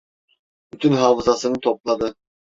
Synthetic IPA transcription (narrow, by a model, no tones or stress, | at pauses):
byt̪ʰynɦɑːvɯzɑsɯnɯt̪ʰoplˠɑd̪ɯ